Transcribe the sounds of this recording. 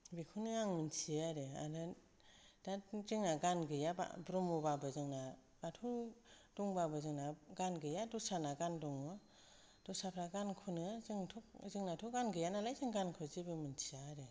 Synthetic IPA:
bikʰunɯaŋmɯnsʰiaɾea̰nɯ | d̥azɯŋnaɡanɡɯjaba̰bɾɔmubabɯzɯŋna | batʰud̥ɔŋbabɯzɯŋnaɡanɡɯjadɔsanaɡandɔŋɯ | d̥ɔsapʰɾaɡankʰunɯzɯŋtʰɔk̚zɯŋnatʰuɡanɡɯjanalajzɯŋɡankʰɯzibɯmɯnsʰiaɾe

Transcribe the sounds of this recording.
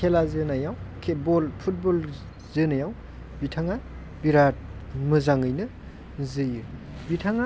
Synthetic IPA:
kʰelazɯnajawkʰet̚bɔlpʰut̚bol | zɯnajaw | bitʰaŋa | biɾat̚mɯzaŋɯjnɯ | zɯjɯ | bitʰaŋa

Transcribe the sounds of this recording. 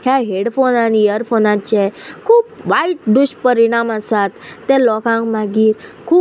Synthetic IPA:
kaɦeɽfonaniəɾfʰonãt͡ʃɛkʰuːbʋaiʈ̚ɖuʃpəɾiɽ̃amãsat̪̚ʰːɛ̃lɔkãŋɡmãɡiːɾkʰuː

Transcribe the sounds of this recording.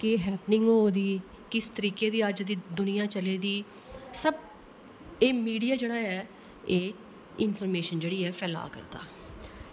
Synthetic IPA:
keːɦɛːpnɪ̃ŋɡɦoːd̪iː | kɪst̪əɾiːkeːd̪iːəd͡ʒd̪iːd̪ʊnɪjãːt͡ʃəleːd̪iː | səb̚ | eːmiːɽijaːd͡ʒeːɽaːɛː | eː | ɪnpʰɔːɾmeːʃənd͡ʒeːɽiːɛːpʰɛːla̰ːkə̰ɾd̪a̰ː

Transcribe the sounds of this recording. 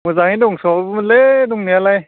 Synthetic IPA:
muzaŋiduŋsɔledʊŋnialaj

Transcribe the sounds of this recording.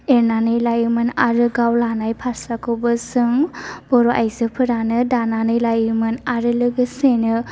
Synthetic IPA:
eɾnanɯjlajmɯnaɾɯɡawlanajpʰaɾsakʰɯwbɯsɯŋb̥ɔɾoʔa̰jzɯpʰɯɾanɯdananɯjlajɾmɯnaɾɯlɯɡɯsenɯ

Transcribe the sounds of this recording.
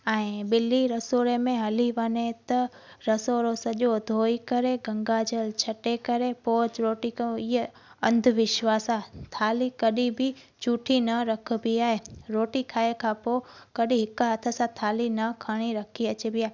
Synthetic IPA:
ɛ̃ɪbɪliɾɐsoːɾemẽɦɐliʋɐnet̪ɐ | ɾɐsoːɾosɐʄod̪ʱoːikɐɾeɡɐ̃ŋɡaːd͡ʑəlt͡ʃʰɐʈekɐɾepoːt͡ʃɾoːʈikãiɦ | ɐ̃nd̪ʱʊʋɪʃʋaːsat̪ʰaːlikɐɗibɪ | t͡ɕuːʈʰinɐɾɐk̆ʰbiaːɦeɾoːʈikʰaːekʰãpoːkɐɗĩɦɪkɦɐt̪ʰə̆sãt̪ʰaːlinɐkʰaɽ̃iɾɐkʰiɐt͡ɕebɪaːɦe

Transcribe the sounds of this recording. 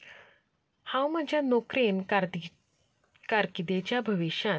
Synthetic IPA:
hãwm̤əd͡ʑʱjanokɾen | kaɾkid̪et͡ɕjabʱəʋiɕa

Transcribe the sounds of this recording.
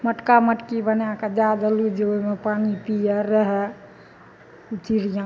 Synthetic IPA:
məʈkaməʈkibənãked͡ʒad̪əlud͡ʒeomepaːnipijəɾəɦɛ | ut̪iɾijã

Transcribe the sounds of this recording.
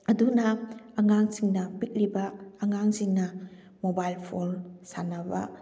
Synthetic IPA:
ɐdunaːŋaŋsiŋnɐbit̚libaːŋaŋsiŋnɐ | mobajlpʰolsanaba̰

